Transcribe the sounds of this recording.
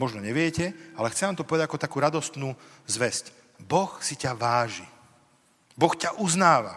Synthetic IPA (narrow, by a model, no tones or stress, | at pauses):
mɔʒnɔɲɛʋɪɛcɛalɛxt͡sɛʋaːmt̪ɔpɔʋɛd̪aɟakɔt̪akuːɾad̪ɔst̪nuːzʋɛsc | bɔxsicaʋaːʒi | bɔxcaʔuznaːʋa̰